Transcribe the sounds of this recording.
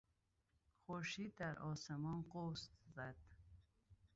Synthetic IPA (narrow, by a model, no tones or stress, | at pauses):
χoɾʃid̪ːæɾɔsemɔnqost̪zæd̪̥